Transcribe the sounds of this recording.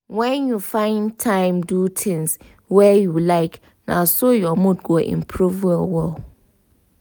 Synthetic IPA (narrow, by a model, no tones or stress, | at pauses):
wɛ̃njufãɪ̃ntʰãɪ̃mdutʰɪ̃ns | wɛjulaɪk | nã̰sʊjɔmʊ̃dɡɔʔɪ̰̃mpʰɾuvalwɔl